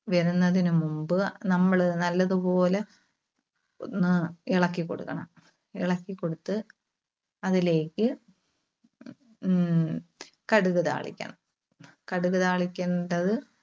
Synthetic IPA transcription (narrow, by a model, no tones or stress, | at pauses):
ʋɐɾunːɐðinumumbɨnɐmːɐɭnɐlːɐðɨpo̞ːle | onːɨiɭɐkːikːo̞̰ɽṵkːɐɳɐm | iɭɐkːikːo̞ɽut̪ːɨ | ɐðile̞ːkʲːɨ | kɐɽuɣɐða̰ːɭḭkʲːɐ̰ɳɐm | kɐɽuɣɐðaːɭikʲːeːɳɖɐðɨ